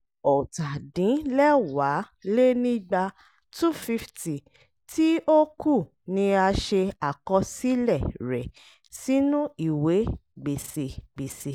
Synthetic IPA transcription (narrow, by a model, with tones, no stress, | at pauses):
ɔ˨ta˨dĩ˨˦lɛ˦wa˨˦ | le˦nĩ˦ɡ͡ba˧ | tu˦˨fi˦fti˨ | ti˦o˦ku˦˨ | nĩ˧a˧ʃe˧a˨kɔ̃˧si˦lɛ˦˨ɾɛ˨ | si˦nũ˦i˦˨we˨˦ɡ͡be˨se˨ɡ͡be˨se˨